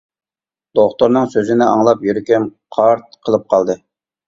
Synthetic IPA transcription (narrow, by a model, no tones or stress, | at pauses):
d̪̥oχt̪oɾnɨŋsøzɪnɪɑ̰ŋlˠɑpjyɾykʲimqʰɑɾt̪̚qʰəlˠɨp̚qʰɑlˠd̪ɨ